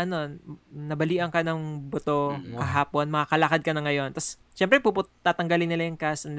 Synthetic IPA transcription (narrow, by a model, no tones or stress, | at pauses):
ʔɐno̞nɐbɐliːʔɐŋkɐnɐŋbot̪o̞kɐɦaːpo̞nmɐŋakɐlɐkɐd̪̚kɐnɐŋɐjo̞nt̪ɐs | ʃɛmpɾɛpupʊt̪aːt̪ɐŋɡɐlɪnːɪlɐjʊŋkasɐn